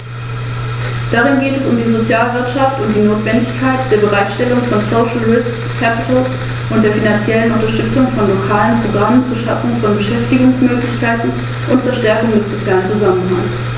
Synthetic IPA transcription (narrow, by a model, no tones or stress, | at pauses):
d̥aʁ̞ɪnɡeːtɛsʊmdiːzot͡sjaːlvɪɐtʃaftʊnt̚d̥iːnoːtv̥ɛndɪçkʰaɪtd̥eːɐbəʁaɪtʃtɛlʊŋfɔnsoʊʃl̩ʁɪsk | kʰːɛpɪtl̩ | ʔʊnt̚d̥eːɐfinant͡sjɛlənʊntɐʃtʏt͡sʊŋfɔnlokʰaːlənpʁ̥oɡʁamənt͡suːɐʃafʊŋfɔnbəʃɛftɪɡʊŋsmøːklɪçkʰaɪtn̩ | ʔʊntt͡suːɐʃtɛɐkʊŋdɛsz̥ot͡sjaːlənt͡suzamənɦaŋs